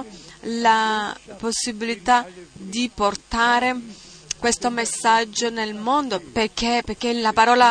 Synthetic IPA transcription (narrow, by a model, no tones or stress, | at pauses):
laposːibilit̪ad̪iport̪aːɾe | kwest̪omesːad͡ʒːonelmond̪operk̟ːeperkenlapaɾɔːla